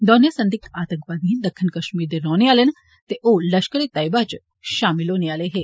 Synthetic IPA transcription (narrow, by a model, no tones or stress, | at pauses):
d̪ɔːnjəsɐ̃nd̪ikaːt̪ə̃ŋkʋaːd̪iĩd̪ɐkʰːɪnkɐʃmiːɾd̪eɾɔːneaːlen | t̪eʔolɐʃkəɾet̪ajbat͡ʃ | ʃaːmɪloːneaːleɦeː